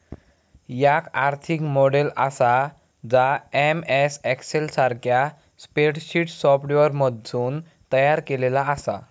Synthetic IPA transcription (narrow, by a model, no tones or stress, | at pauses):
jakaɾt̪ʰikmoɽelə̰sa | d͡zaemesɛkselsaɾkja | speʈɕiʈsɔfʈʋəɾməd̪ʱːuːn | t̪əjaɾkelelaəsa̰